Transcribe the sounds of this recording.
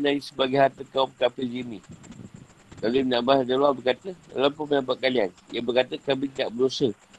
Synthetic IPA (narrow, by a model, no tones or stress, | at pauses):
naisəbaɡajɦat̪əkaumkapəld͡ʒini | kalumnãʔbaadaluabərkat̪əda̰lampupənapat̪̚kalianjabərkat̪əkabit̪ida̰ʔbərdosə